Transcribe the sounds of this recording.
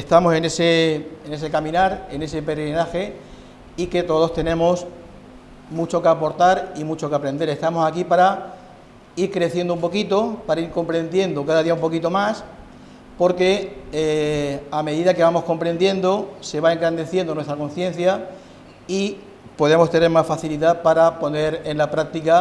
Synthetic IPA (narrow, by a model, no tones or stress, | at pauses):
est̪amo̞se̞ne̞seene̞se̞kamĩnaɾene̞se̞pe̞ɾɣɾinaxe | ike̞t̪o̞ðo̞st̪e̞nẽ̞mos | mut͡ʃo̞keapo̞ɾt̪aɾimut͡ʃo̞kapɾe̞nd̪e̞ɾe̞st̪amo̞sakipaɾa | iɾkɾe̞θje̞nd̪oumpo̞kit̪o̞paɾaiɾko̞mpɾe̞nd̪je̞nd̪okaðaðiaumpo̞kit̪o̞mas | po̞ɾke̞ | ame̞ðiðake̞βamo̞sko̞mpɾe̞nd̪je̞nd̪o̞se̞βae̞ŋɡɾand̪e̞θje̞nd̪onwest̪ɾako̞n̟θjẽ̞n̟θja | i | po̞ðe̞mo̞st̪e̞ne̞ɾmasfaθiliðapaɾapo̞ne̞ɾe̞nlapɾak̚t̪ika